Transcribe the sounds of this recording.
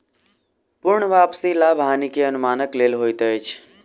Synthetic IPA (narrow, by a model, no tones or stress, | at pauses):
puɾɳəʋapsilabʱɦanikeənumanəklelɦojt̪əjt͡ʃʰ